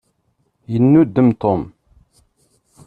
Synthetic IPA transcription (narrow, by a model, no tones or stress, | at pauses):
jənːud̪ːəmt̪om